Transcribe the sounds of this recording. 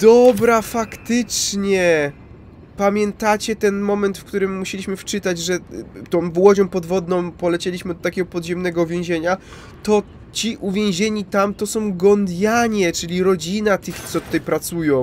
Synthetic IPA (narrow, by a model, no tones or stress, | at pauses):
d̪̥ɔbɾafakt̪ɪt͡ʂɲɛ | pamʲjɛnt̪at͡ɕɛt̪ɛnmɔmɛnt̪fkt̪uɾɘmːuɕelʲiɕmɘft͡ʂɘt̪ad͡ʑʐɛt̪ɔ̃w̃vwɔd͡ʑɔ̃w̃pɔd̪vɔd̪nɔ̃w̃pɔlɛt͡ɕelʲiɕmɘd̪ɔt̪akʲɛɡɔpɔd̪ʑɛmnɛɡɔvʲjẽw̃ʑeɲa | t̪ɔ | t͡ɕiʔuvʲjẽw̃ʑeɲit̪amt̪ɔsɔ̃w̃ɡɔnd̪ʲjaɲɛt͡ʂɘlʲiɾɔd͡ʑinat̪ɘxsɔt̪u̥t̪ajpɾat̪sujɔ̃w̃